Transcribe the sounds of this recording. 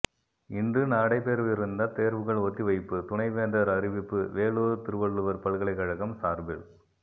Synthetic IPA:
ɪndrɯnaːɽɐɪpːeːɾʋɪɾɯnd̪ɐt̪eːɾʋɯɣɐɭɔt̪ːiʋɐɪpːɯt̪ʊɳɐɪʋeːnd̪ɐɾɐɾɪʋɪpːɯʋeːɭoːɾɯt̪ɪɾɯʋɐɭːɯʋɐɾpɐɭɯɣɐɭɐɪkɐɻɐɣɐmsaːɾbɪɭ

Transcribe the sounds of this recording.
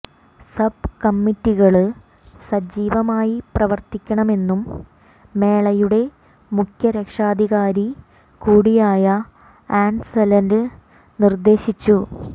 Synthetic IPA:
sɐb̚kɐmːitːiɣɐɭɨ | sɐd͡ʑiːʋɐmaːjiprɐʋɐrt̪ikʲːɐɳɐme̞nːumː | e̞ːɭɐjuɽe̞ | mukʰjɐɾɐkʂaːd̪ʱiɣaːɾi | kuːɽijaːjɐ | aːɳsɐlɐndɨ | nird̪e̞ːɕit͡ɕːu

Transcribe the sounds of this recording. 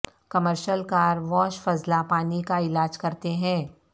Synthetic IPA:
kɐməɾʃəlkaːɾʋɔːʃfɐzlapaːnikaɪlaːd͡ʒkɐɾt̪eɦɛ̃ː

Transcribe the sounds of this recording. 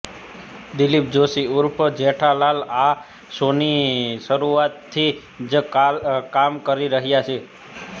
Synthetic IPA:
d̪ɪlip̚d͡ʒosiuɾpʰəd͡ʒeʈʰalala | soniʃəɾuat̪ʰːi | d͡ʒ | kamkəɾiɾəɦjat͡ʃʰe

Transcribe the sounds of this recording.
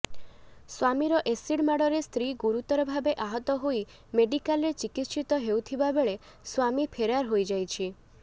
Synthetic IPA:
swamiɾɔʔesiɽmaɽɔɾest̪ʰɾiɡuɾut̪ɔɾɔbʱabeʔaɦɔt̪ɔɦoi | meɖikalet͡ʃikit̪ʃit̪ɔɦewt̪ʰibabeɭe | swamipʰeɾaɾɦojd͡ʒajt͡ʃʰi

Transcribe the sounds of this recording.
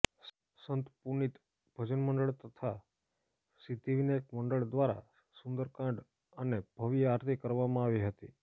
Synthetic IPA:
sənt̪puɳit̪ | bʱəd͡ʒənməɳɖəɭt̪ət̪ʰa | sit̪iʋinekməɳɖəɭd̪ʋaɾa̰ | sũnd̪əɾkãɳɖ | əneb̥ʱəʋijaɾt̪ʰikəɾʋamãaʋiɦət̪ḭ

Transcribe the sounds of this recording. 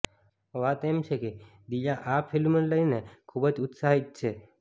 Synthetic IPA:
ʋat̪emɕeke | d̪iʎaʔafʰilmənləinekʰubət͡sut̪saɦit̪̚t͡ɕʰe

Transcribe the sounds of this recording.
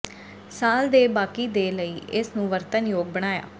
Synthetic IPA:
saːld̪eːbaːkiːd̪eːləiːʔɪsnũːʋəɾt̪ənjoːɡ̚bəɽ̃aːja̰ː

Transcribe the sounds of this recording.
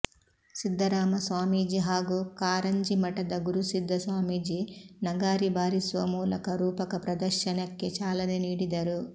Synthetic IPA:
sid̪ʱːɐɾaːmɐsʋaːmiːd͡ʒiɦaːɡukaːɾɐɲd͡ʒimɐʈɐd̪ɐɡuɾusid̪ʱːɐsʋaːmiːd͡ʒinɐɡaːɾibaːɾisʋɐmuːlɐkɐɾuːpɐkɐpɾɐd̪ɐɾʃɐnɐkːet͡ʃaːlɐniniːɽid̪ɐɾu

